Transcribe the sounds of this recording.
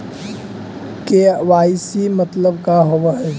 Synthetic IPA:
keʋaːɪsimət̪ləbkaɦowaɦɛ

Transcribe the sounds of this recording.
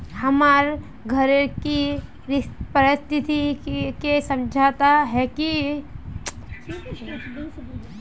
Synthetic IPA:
hɐmaːɾ | ɡʱɐɾeki | ɾɪpɐɾɪst̪ʰɪt̪ikesɐ̃md͡ʒʱaːt̪aɦɛki | i

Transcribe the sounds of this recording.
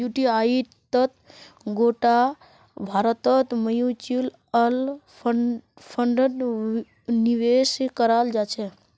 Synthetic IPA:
juʈiai | t̪ət̪ | ɡoʈa | bʱaːɾət̪ət̪məjut͡ʃil | əl | pʰəɳɖəɖ | niʋeskəɾaːld͡ʒat͡ʃʰe

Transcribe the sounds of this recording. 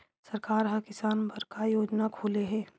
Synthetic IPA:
sɐɾkaːɾɦɐkɪsaːnbɐɾkajoːd͡ʒnakʰuːleɦɛ̃ː

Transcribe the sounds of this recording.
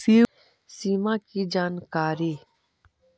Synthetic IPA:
siː | siːmãːkid͡ʒaːnkaːɾiː

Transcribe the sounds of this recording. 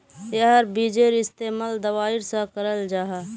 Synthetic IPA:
jəɦəɾbid͡ʒeɾɪst̪eːməld̪əwaːɪɾsãkəɾəld͡ʒaːɦa

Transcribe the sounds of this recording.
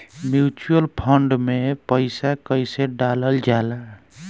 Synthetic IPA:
mjut͡ʃuəlpʰəɳɖmepəɪsakəjseɖaləld͡ʒala

